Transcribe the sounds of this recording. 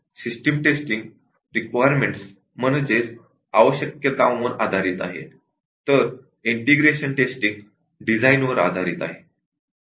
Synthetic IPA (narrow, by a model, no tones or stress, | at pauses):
sisʈemʈesʈiŋɡ | ɾikʋajəɾmeɳʈs | mənəd͡zes | aʋəɕjəkjət̪ãʋ̃ʋəɾad̪ʱaɾiːt̪a̰ɦḛ | t̪əɾ | iɳʈeɡɾeɕəɳʈesʈiŋɡ | ɖid͡zajnʋəɾa̰d̪ʱaɾiːt̪a̰ɦe